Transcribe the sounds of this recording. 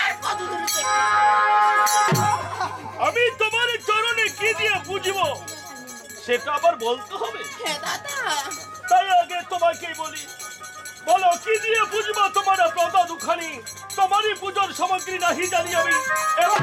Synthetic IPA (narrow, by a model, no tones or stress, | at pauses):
d̪ | amit̪omaɾid͡ʒɔɾonekid̪iebud͡ʒʱibo | ʃeʈaabaɾbolt̪uɦɔbe | t̪ajaɡet̪omakejboli | bolokid̪iebud͡ʒʱibot̪omaɾapɾɔt̪ad̪ukʰani | t̪omaɾipud͡ʒoɾʃɔmoɡɾinaɦid͡ʒaniamieb